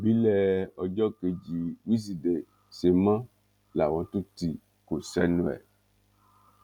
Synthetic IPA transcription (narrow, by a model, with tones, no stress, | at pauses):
bi˦lɛ˦ɔ˨d͡ʒɔ˦ke˨d͡ʒi˨wi˦s̬i˨de˨ | se˨mã˦ | la˨wɔ̃˨˦t̪u˦ti˨ | ko˨sɛ˦nũ˦ɛ̰˨